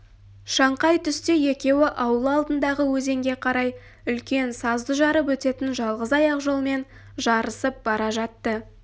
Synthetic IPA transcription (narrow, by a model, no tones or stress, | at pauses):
ʃɑɴqɑjt̪ʰʏst̪eje̞kʲe̞wɪʔɑwəlˠəɑlˠd̪ənd̪ɑʁəwɵze̞ŋɡʲe̞qʰɑɾɑj | ʏlkʲe̞nsɑzd̪əʒɑɾəp̬wɵt̪e̞t̪ɪnʒɑlˠʁəzɑjɑqʒo̞lˠme̞n | ʒɑɾəsəp̚b̥ɑɾɑʒɑt̪ːə